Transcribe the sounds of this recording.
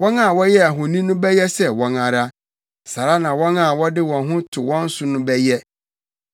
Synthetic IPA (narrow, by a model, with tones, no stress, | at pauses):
wɔ̃˦nã˨wɔ˦jɛ˦a˨ɦʊ˨nĩ˦nʊ̃˦bɛ˦jɛ˦sɛ˨wɔ̃˨na˨ɾa˦ | sa˨ɾa˦nã˨wɔ̃˦nã˨wɔ˦dɪ˦wɔ̃˨nɦʊ̃˦tʰʊ˨wɔ̃˦n̩˦sʊ˨nʊ̃˦bɛ˦jɛ˦